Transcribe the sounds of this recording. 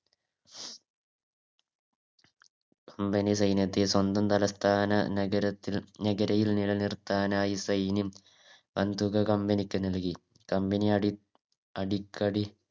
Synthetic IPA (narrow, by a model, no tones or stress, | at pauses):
kɐmbɐnis̬ɐjnjɐt̪ːeswɐnd̪ɐmt̪ɐlɐst̪ʰaːnɐ̰ɐɾɐt̪ːinɐɡɐɾɐjilnilɐnirt̪ːaːnaːjisɐjnim | ʋɐnd̪uɣɐkɐmbɐnikʲːɨnɐlki | kɐmbɐni | ɐɽikːɐɽi